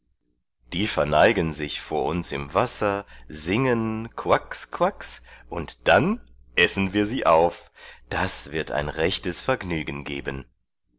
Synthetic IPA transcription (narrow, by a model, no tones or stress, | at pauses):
d̥iːfɛɐnaɪɡənzɪçfoːɐʊnsɪ̰mvasɐzɪŋənkʰv̥akskʰv̥aksʔʊntd̥anʔɛsn̩viːɐziːʔaʊfd̥asv̥ɪɐta̰ɪnʁɛçtəsfɛɐɡnyːɡən̩ɡḛːbən